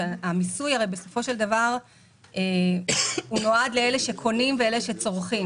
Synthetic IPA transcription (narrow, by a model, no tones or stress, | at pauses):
amisujaʁejbe̞so̞fo̞ʃeld̪avaʁ | e | unoad̪leeleʃe̞kʰo̞nimveeleʃet͡so̞ʁχi